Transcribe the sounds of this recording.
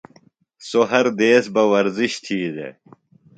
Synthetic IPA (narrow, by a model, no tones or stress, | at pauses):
soɦɐɾd̪eːsbɐwɐɾziɕt̪ʰiːd̪ḛ